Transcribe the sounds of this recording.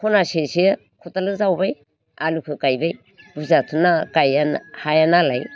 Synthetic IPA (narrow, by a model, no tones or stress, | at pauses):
kʰonasesi | kʰutalɯzawbaj | alukʰɯkajbej | buzatʰunakajanhajanalaj